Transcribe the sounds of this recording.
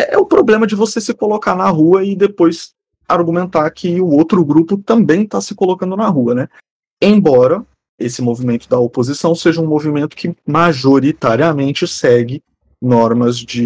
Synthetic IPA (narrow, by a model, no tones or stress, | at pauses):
ɛʔɛʊpɾoblẽmɐd͡ʒɪvosesɪkolokaɾnɐɦuɐɪd̪epojs | aɾɡumẽnt̪aɾkʰɪʊowt̪ɾʊɡɾupʊt̪ɐ̃mbẽj̃t̪asɪkolokɐ̃nd̪ʊnɐɦuɐnɛ | ẽj̃bɔɾɐ | esɪmovimẽnt̪ʊd̪ɐopozisɐ̃w̃seʒɐũmovimẽnt̪ʊ̥kɪmaʒoɾit̪aɾiɐmẽnt͡ʃɪsɛɡɪ | nɔɾmɐzd͡ʒɪ